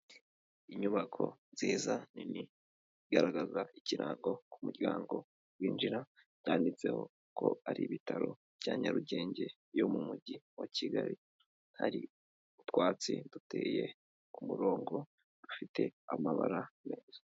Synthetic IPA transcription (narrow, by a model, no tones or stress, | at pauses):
iɲuβakʰo̞̰ziːzanini | ɡaɾaɡazaiciɾaːŋɡo̞kumuɟaːŋɡo̞ | wiːnd͡ʒiɾa | ɟaːndit͡se̞ho̞ | kʰo̞̰aɾiβitaɾo̞ | vjaːɲaɾuɟe̞ːɲɟe̞ | jo̞mumuɟiwaciɡaɾi | haɾi | utwaːt͡sidute̞ːje̞ | kumuɾo̞ːŋɡo̞ | d̥ufite̞amaβa̰ɾame̞ːza